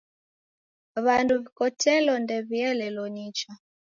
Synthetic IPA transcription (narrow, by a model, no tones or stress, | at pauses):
βanduβikɔtɛlɔndɛβiɛlɛlɔɲit͡ʃa